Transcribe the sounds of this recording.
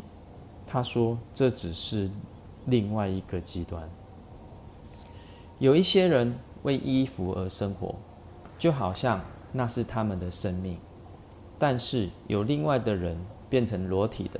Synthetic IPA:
t̪ʰa˦ʂwɔ˥ʈ͡ʂɤ˥˨ʈ͡ʂɻ̩˨˩ʂɻ̩˥˨ | li˥˧ŋwa˥˩ɪi˧˥ɡə˨t͡ɕi˦t̪wa˦n | jo˨˩ʊi˥˩ɕjɛ˦˥ɻə˧˦nwʔe˥˩ɪʔi˦˥fu˨˦ə˧˥ʂə˦ŋxwɔ̰˧˥˦ | t͡ɕjo˥˩ʊxɑ˨˩ʊɕjɑ˥˧ŋ | na˥˧ʂɻ̩˥˨t̪ʰa˦mə˨nd̪ə˩ʂə˦nmi˥˩ŋ | t̪a˥˧nʂɻ̩˥˩jo˨˩ʊli˥˧ŋwa˥˩ɪd̪ə˩ɻə˦npjɛ˥˩nʈ͡ʂʰə˧˥ŋlwɔ˧˦˥t̪ʰḭ˨˩d̪ə˦

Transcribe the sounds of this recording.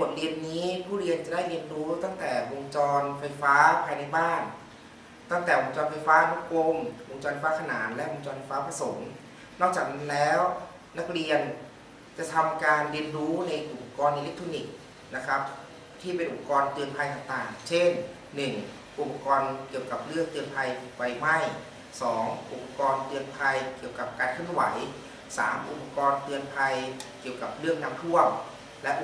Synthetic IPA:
o˨˩t̪̚ɾi˧ənːiː˦˥pʰuː˥˩ɾi˧ənt͡ɕa˨˩da˥˩jɾi˧ənɾuː˦˥t̪ɔ˥˩ŋt̪ɛː˨˩wo˧ŋt͡ɕɔː˧nfa˧jfaː˦˥pʰaː˧jna˧jbaː˥˩n | t̪ɔ˥˩ŋt̪ɛː˨˩wo˧ŋt͡ɕɔː˧nfa˧jfaː˦˥nʰu˦˥ko˧mwo˧ŋt͡ɕɔː˧nfʰa˧˩faː˦˥kʰnaː˩˦nlɛ˦˥ʔwo˧ŋt͡ɕɔː˧nfa˧jfaː˦˥pʰa˧so˩˦ŋ | nɔː˥˩k̚aː˨˩k̚na˦˥nlɛː˦˥w | na˦˥k̚ɾi˧ən | t͡ɕa˨˩t̪ʰa˧mkaː˧nɾi˧ənɾuː˦˥na˧jʔu˨˩pa˧˩kɔː˧ni˧le˦˥k̚t̪ʰɾoː˧ni˨˩k̚ | na˦˥kʰa˦˥p̚ | t̪ʰiː˥˩pe˧nʔu˨˩p̚a˧kɔː˧nt̪ɯ˧ənpʰa˧jt̪aː˨˩ŋt̪aː˨˩ŋt͡ɕʰe˥˩nː | ɯ˨˩ŋ | ʔu˨˩pa˧˩kɔː˧nki˨˩əwka˨˩p̚lɯ˥˩ək̚t̪ɯ˧ənpʰa˧jpa˧˩jma˥˩j | sɔː˩˦ŋʔu˨˩pa˧kɔː˧nt̪ɯ˧ənpʰa˧jki˨˩əwka˨˩p̚kaː˧nkʰɯ˥˩ə˨nwa̰˩˦j | sa̰ː˩˦mʔṵ˨˩pa˧kɔː˧nt̪ɯ˧ənpʰa˧jki˨˩əwka˨˩p̚ɾɯ˥˩əŋ̚naː˦˥mt̪ʰu˥˩əm | lɛ˦˥ʔ

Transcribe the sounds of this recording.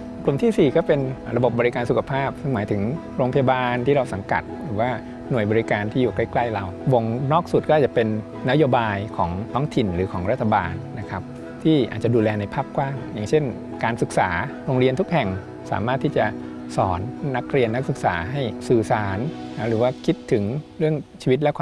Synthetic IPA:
klu˨˩mt̪ʰiː˥˩siː˨˩kɔː˥˩pe˧nɾa˧bo˨˩p̚bɔː˧ɾi˧kaː˧nsu˨˩kʰa˧pʰaː˥˩p̚sɯ˥˩ŋmaː˩˦jt̪ʰɯ˩˦ŋ | ɾoː˧ŋpʰa˧ja˧baː˧nt̪ʰiː˥˩ɾa˧wsa˩˦ka̰˨˩t̪̚ɾɯː˩˦waː˥˩ | nu˨˩əjbɔː˧ɾi˧kaː˧nt̪ʰiː˥˩juː˨˩kla˥˩jkla˥˩jla˧wwo˧˩ŋnɔː˥˩k̚su˨˩t̪̚kɔː˥˨˩t͡ɕa˨˩pe˧nː | a˦˥joː˧baː˧jkʰɔː˩˦ŋt̪ʰɔː˦˥ŋt̪ʰi˨˩nɾɯː˩˦kʰɔː˩˦ŋɾa˦˥t̪ʰːa˧baː˧nːa˦˥kʰa˦˥p̚ | t̪ʰiː˥˩ʔa̰ː˨˩t͡ɕa˨˩duː˧lɛː˧na˧jpʰaː˥˩p̚kwaː˥˩ŋjaː˨˩ŋt͡ɕʰe˥˩n | kaː˧nsɯ˨˩k̚saː˩˦ɾoː˧ŋɾi˧ənt̪ʰu˥k̚hɛ˨˩ŋ | sa̰ː˩˦maː˥˩t̪ʰːiː˥˩t͡ɕa˨˩ | sɔː˩˦nːa˦˥k̚ɾi˧ənːa˦˥k̚sɯ˨˩k̚sa̰ː˩˦ɦa˥˩jsɯː˨˩saː˩˦n˩ɾɯː˩˦waː˥˩kʰi˦˥t̪ʰːɯ˩˦ŋɾɯ˥˩əŋt͡ɕʰiː˧wi˦˥t̪̚lɛ˦˥kʰa˧

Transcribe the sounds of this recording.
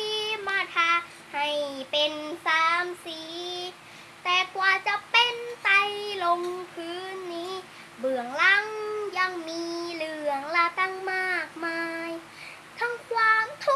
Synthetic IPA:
i˧maː˧˩t̪ʰa˧˥ | ha˨˩jpe˧nsaː˨˦msiː˨˦ | t̪ɛː˧˩kwaː˧˩t͡ɕa˧pe˧nt̪a˧jlo˧ŋkʰɯː˧˥nːiː˧˥˨ | bɯ˨˩əŋla˧˥ŋja˧ŋmiː˧lɯ˧˩əŋla˧k̪a˧˨ŋmaː˥˩k̚maː˧j | t̪ʰa˧˥˩ŋkʰwaː˧mt̪ʰu˧

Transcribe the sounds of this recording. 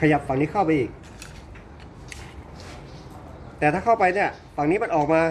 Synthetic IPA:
kʰa˧ja˨˩p̚fa˨˩ŋniː˦˥kʰa˥˩wpa˧jʔiː˨˩k̚ | t̪ɛː˨˩t̪ʰaː˥˩kʰa˥˩wpa˧jni˥˩ɐ | fa˨˩ŋniː˦˥ma˧nʔɔː˨˩k̚maː˧

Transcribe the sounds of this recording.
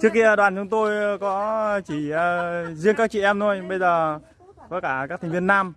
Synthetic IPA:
t͡ɕɨ˦˥əkːi˧ɗwaː˨˩nt͡ɕʊ˨˧˦ŋ͡mt̪o˧jkɔ˨˦t͡ɕi˧˩˨zi˧əŋkaː˦˥k̚t͡ɕḭ˧˨ʔɛ˧mt̪o˧jɓə˧jzəː˨˩ | vəː˨˦kaː˧˩kaː˦˥k̚t̪ʰŋ̟vi˧ənːaː˧m

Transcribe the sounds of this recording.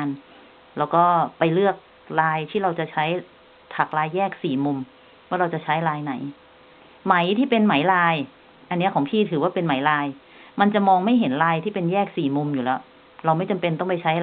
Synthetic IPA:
n | lɛː˦˥wkɔː˥˩pa˧jlɯ˥˩ək̚ | laː˧jt̪ʰiː˥˩ɾa˧wt͡ɕa˨˩t͡ɕʰa˦˥j | t̪ʰa˨˩k̚ɾaː˧jːɛː˥˩k̚siː˨˩mu˧m | waː˥˩ɾa˧wt͡ɕa˨˩t͡ɕʰa˦˥jɾaː˧jna˩˦j | ma˩˦jt̪ʰiː˥˩pe˧nma˩˦jɾaː˧j | ʔa˧nː˦˥ɐkʰɔː˩˦ŋpʰiː˥˩t̪ʰɯː˩˦waː˥˩pe˧nma˩˦jɾaː˧j | ma˧nt͡ɕa˨˩mɔː˧ŋma˥˩jɦe˩˦nɾaː˧jt̪ʰiː˥˩pe˧njɛː˥˩k̚siː˨˩mu˧mjuː˨˩lɛː˦˥w | ɾa˧wma˥˩jt͡ɕa˧mpe˧nt̪ɔ˥˩ŋpa˧jt͡ɕʰa˦˥j

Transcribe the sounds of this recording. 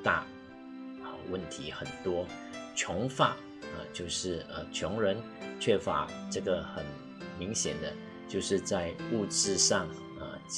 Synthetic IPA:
t̪a̰˥˩ | ə˧wə˥˩nt̪ʰi˧˥xə˨˩nt̪wɔ˥ | t͡ɕʰjʊ˧˥ŋfa˨˩˦ | ə̰˨t͡ɕjo˥˧ʊʂɻ̩˥˩ə˧t͡ɕʰjʊ˧˥ŋɻə˧˦˥n | t͡ɕʰɥɛ˥˩fa̰˧˥ʈ͡ʂɤ˥˩ɡə˩xə˨˩˦n | mi˧˥ŋɕjɛ̰˨˩nd̪ə˦ | t͡ɕjo˥˧ʊʂɻ̩˥˧t͡sa˥˧ɪu˥˧ʈ͡ʂɻ̩˥˧ʂɑ˥˩ŋ | ə̰˧

